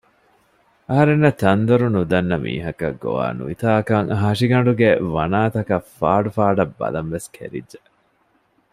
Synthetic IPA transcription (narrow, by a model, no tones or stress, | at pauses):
ɐɦɐɾenːɐt̪ɐnd̪ɐɾunud̪ɐnːɐmḭːɦɐkɐ̰ɡːo̰ʋa̰ːnṵʋit̪aːkɐŋɦɐʂiɡɐɳɖuɡeʋɐnaːt̪ɐkɐfaːɖufaːɖɐbːɐ̰lɐnʋeskʰḛɾḭdʒe